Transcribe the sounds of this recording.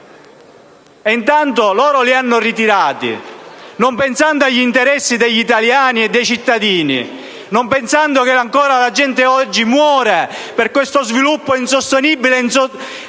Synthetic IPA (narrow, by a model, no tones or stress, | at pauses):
int̪ant̪olɔːɾolianːʊrit̪iɾaːt̪ḭnompensand̪oaʎːint̪eɾɛsːid̪eʎːit̪aljaːnied̪ːejt͡ʃit̪ːad̪iːnḭ | nompensand̪okeaŋkɔːɾalad͡ʒɛnt̪eɔd͡ʒːimwɔːɾeperkwest̪ozvilupːoinsost̪enibːilenso